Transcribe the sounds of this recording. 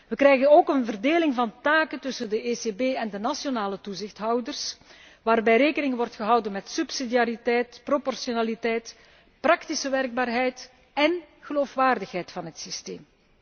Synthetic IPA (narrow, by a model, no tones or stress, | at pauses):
ʋəkrɛjɣənoːkənvərdeːlɪŋvɑntaːkəntʏsəndəeːsebeːɛndənasjonaːlətuzɪxtɦɑwdərs | ʋaːrbɛjɾeːkənɪŋʋɔrtxəɦʌwdənmɛtsypsidijaːɾitɛjtpropɔrsjonaːlitɛjt | prɑktisəʋɛrɡ̚baːrɦɛjt | ɛn | ɣəloːfʋaːrdəxɦɛjtfɑnɦətsisteːm